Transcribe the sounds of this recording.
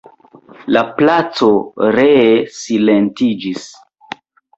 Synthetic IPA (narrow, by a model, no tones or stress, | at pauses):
laplat͡soɾesilentid͡ʒis